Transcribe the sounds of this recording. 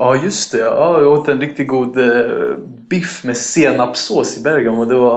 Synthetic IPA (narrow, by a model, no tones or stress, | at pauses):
ɑːjɵst̪ɛɑːɪoːt̪əɛnɾɪk̚t̪ɪɡɡuːd̪ | bɪfmɛseːnapsoːsɪbæɾjɡanɔd̪ɛva